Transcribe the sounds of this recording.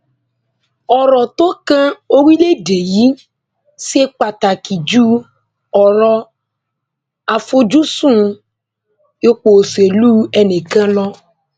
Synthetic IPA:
ɔ˨ɾɔ˨t̪o˦kã˦o˦wi˦le˦de˨ji˦ | si˦e˦k͡pa˨t̪a˨ki˨d͡ʒu˦ | ɔ˨ɾɔ˦ | a˨fo˦d͡ʒu˦sũ˦ | e˦k͡po˨se˨lu˦ɛ˨ne˨kã˦lɔ˦

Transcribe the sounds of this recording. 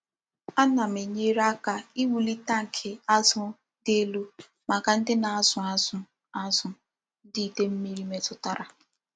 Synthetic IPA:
a˦na˨m̩˨e˨ɲe˦ɾa˦ka˦i˦wu˨li˦ta˦ŋ̩˨kʰɪ˨a˦zʊ˦ | de˦lu˦ | ma˨ka˨n̩˦dɪ˦na˨a˦zʊ˨a˦zʊ˦ | a˦zʊ˨ | di˦˨te˦m̩˦mi˦ɾi˦me˦tʊ˦ta˦ɾa˨

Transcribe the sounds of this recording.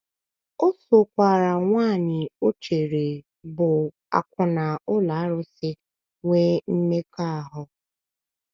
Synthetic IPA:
o˦so˨kʷa˨ɾa˨ŋʷaː˦˨ɲɪ˨o˦t͡ʃe˨ɾe˨ | bʊ˨ | a̰˨kʷʊ˨na˨ʊ˦la˨˦ɾʊ˦sɪ˦ | ŋʷe˦m̩˦me˦ka˦a˨ɦʊ˦

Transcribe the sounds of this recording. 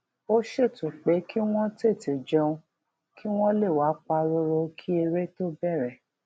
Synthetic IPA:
o˦ʃe˦˨tũ˨k͡pe˨˦ki˦w̃ɔ̃˦te˦˨ti˨d͡ʒɛ˧ũ˧ | ki˦w̃ɔ̃˦le˦˨wa˨˦k͡pa˧ɾo˧ɾo˧kʰi˦e˧ɾe˦to˦bɛ˦˨ɾɛ˨

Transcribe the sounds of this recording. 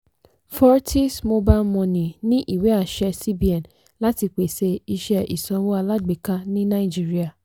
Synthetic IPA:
fɔ˦ɾtʰi˦smo˧ba˦mɔ̃˧nĩ˨nĩ˦ʔi˦˨we˨˦a˦˨ʃɛ˧si˦bi˦ɛ̃˨n | la˦ti˧k͡pe˨se˧i˧ʃɛ˦i˨sɔ̃˧wo˦a˧la˦ɡ͡be˨ka˧nĩ˦nã˦i˨d͡ʒi˦ɾi˦a˨

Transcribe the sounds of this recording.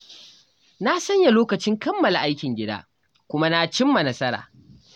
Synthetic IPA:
na˦sɐ˦ɲja˨loː˦kɐ˨t͡ʃɪ˦ŋkɐ˦mːɐ˨la˨ʔa˦jkʲɪ˨ŋɡʲɪ˦da̰ː˦ | kʷʊ˦ma˦na˦t͡ʃɪ˦mːa˨nɐ˦sɐ˦ɾa̰ː˨

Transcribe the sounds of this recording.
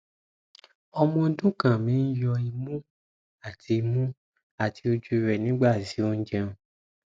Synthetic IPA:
ɔ˧mɔ̃˧˦dũ˦kã˨mĩ˨˦n̩˦jɔ˧i˧mũ˦ | a˦˨tʰi˨˧i˧mũ˦ | a˦˨ti˨˦o˧d͡ʒu˧˦ɾɛ˨nĩ˦ɡ͡ba˦˨si˨˦o˧n̩˦d͡ʒɛ̃˧ũ˨

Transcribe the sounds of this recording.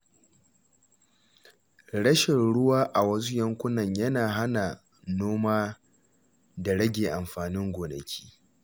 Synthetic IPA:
ɽɐ˦ʃɪ˨nɽʊ˦waː˦ʔa˨wɐ˦s̬u˦jɐ˦ŋkʷʊ˦nɐ˨ɲjɐ˦naː˨ɦa˦na˨ | noː˦maː˦ | da˨ɽɐ˦ɡʲeː˨ʔa˨mɸaː˨nɪ˦ŋɡʷoː˨nɐ̰˨kʲʰi̥ː˦

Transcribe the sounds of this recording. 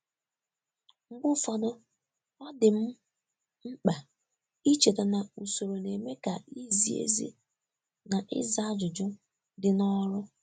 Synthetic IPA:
ŋ͡m̩˦ɡ͡bʊ˦fɔ˦dʊ˦ | ɔ˦dɪ˨m̩˦ | ŋ͡m̩˦k͡pa˨ | i˦t͡ʃe˨de˨na˨u˨so˨ɾo˨ne˨me˦ka˨i˦zi˨˦ḛ˦zḭ˦ | na˨ʔɪ̰˦za˨˦a˦d͡ʒʊ˨d͡ʒʊ˦ | dɪ˨nɔ˦ɾʊ˦

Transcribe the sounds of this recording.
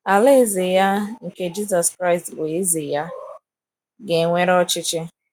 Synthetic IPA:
a˨le˦zɪ˨ja˦ŋ̩˨ke˦d͡ʒi˦s̬ɔ˨skɾa˦ɪ˨stwʷe˨˦zɪ˨ja˦ | ɡe˨ŋʷe˦ɾɔ˦t͡ʃɪ˦t͡ʃɪ˦

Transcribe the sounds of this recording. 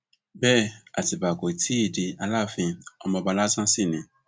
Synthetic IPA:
bɛ˦˨a̰˨ti˨ba˨ko˨i˨tʰi˦i˦˨di˧a˧la˦˨fĩ˧ɔ˧mɔ̃˧ba˧la˦sã˦si˦˨nĩ˧

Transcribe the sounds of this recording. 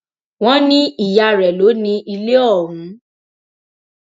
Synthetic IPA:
w̃ɔ̃˦nĩ˦i˦˨ja˧ɾɛ˨lo˨˦nĩ˧i˧le˦ɔ˦˨ɦũ˨˦

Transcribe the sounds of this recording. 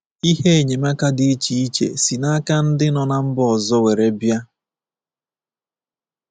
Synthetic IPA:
i˦ɦe˦e˨ɲe˨ma˦ka˦dɪ˨e˦t͡ʃi˨i˦t͡ʃḛ˨si˨na˦ka˦n̩˦dɪ˦nɔ˨na˦m̩˦bɔ˦ɔ˨zɔ˦we˨ɾe˨bja˦

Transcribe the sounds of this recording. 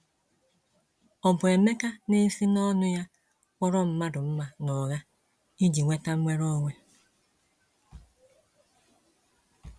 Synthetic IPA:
ɔ˨bʊ˨e˨me˦ka˦ne˦si˦nɔ˦nʊ˦ja˦ | kʷɔ˦ɾɔ˦m̩˦ma˦dʊ˨m̩˦ma˨nɔ˨ɣa˦ | i˦d͡ʒi˨ŋʷe˦ta˦m̩˦mʷe˦ɾɔ˦ŋʷe˦

